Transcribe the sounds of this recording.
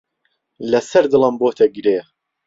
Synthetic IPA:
lɐsɐɾd̪ɨlˠɐmboːt̪ʰɐɡɨɾeː

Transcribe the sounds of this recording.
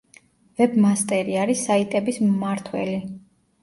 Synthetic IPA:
vɛbmast̪ʼɛɾiaɾisait̪ʼɛbismmaɾt̪ʰwɛ̰li

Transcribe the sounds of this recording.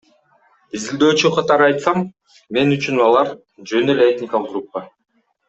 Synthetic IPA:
izild̪ø̞ːt͡ʃyqʰɑt̪ɑɾɯɑjt̪sɑm | me̞nyt͡ʃynɑlˠɑɾ | d͡ʒøneleet̪ʲnʲɪkalˠəqɡɾupːa

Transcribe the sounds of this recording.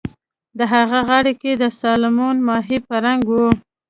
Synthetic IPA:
d̪əɦaɣaɣaɽeked̪əsɑlɪmɑnmɑɦepəɾaŋɡwu

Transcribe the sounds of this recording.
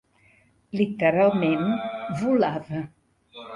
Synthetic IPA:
lit̪əɾalˠmenvulavə

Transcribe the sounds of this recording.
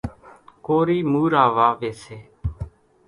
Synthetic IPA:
koːɾiːmuːɾaːʋaːʋeːseː

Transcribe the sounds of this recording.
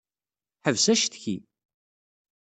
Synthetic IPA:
ħəvsæʃθçi

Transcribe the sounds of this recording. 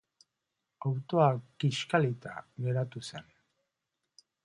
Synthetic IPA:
awt̪oakiʃkalit̪a̰ɣeɾat̪usen

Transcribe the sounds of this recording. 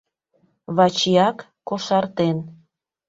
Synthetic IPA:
βɑt͡ɕijɑkːoʃɑrt̪en

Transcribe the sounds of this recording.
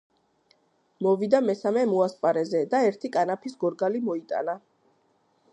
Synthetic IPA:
mɔvid̪amɛsamɛmuaspʼaɾɛzɛd̪aɛɾt̪ʰikʼanapʰisɡɔɾɡalimɔit̪ʼa̰na

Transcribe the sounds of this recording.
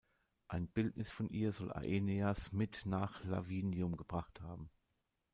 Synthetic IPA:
ʔaɪnbɪltnʔɪsfɔnʔiːɐzɔlʔa̰ʔeneasmɪtnaːχla̰viːnjʊmɡəbʁaχthaːbm̩

